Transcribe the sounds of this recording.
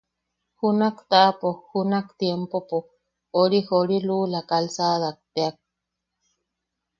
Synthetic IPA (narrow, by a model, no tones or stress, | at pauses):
hunakt̪aʔapohunakt̪jempopo | oɾihoɾilulakalsaːðak̚t̪eak̚